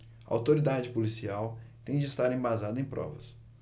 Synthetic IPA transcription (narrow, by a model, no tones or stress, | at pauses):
ɐa̰wt̪oɾid̪ad͡ʒɪpolisiawt̪ẽj̃d͡ʒɪːst̪aɾẽj̃bazad̪ʊẽj̃pɾɔ̰vɐ̰s